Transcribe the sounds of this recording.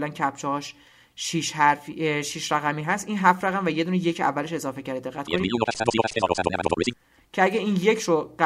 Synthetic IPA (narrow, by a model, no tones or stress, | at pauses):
læncʰæpt͡ʃʰɒɦɒʃ | ʃiʃhæɾfiʃiʃɾæɣæmiːɦæst̪ʔiːnɦæfɾæɣæmvæje̞d̪uːneje̞cʰæ̰vːæle̞ʃe̞zɒːfe̞cʰæɾd̪ed̪e̞ɣːæt̪kniː | cʰeæɟæiːnjecʰɾoɢæ